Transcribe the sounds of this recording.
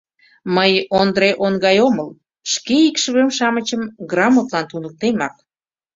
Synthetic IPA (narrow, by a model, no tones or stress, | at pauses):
məjond̪ɾeʔonɡɑjoməl | ʃkeikʃəβemʃɑmət͡ɕəmɡrɑmot̪lɑnt̪unək̚t̪emɑk̚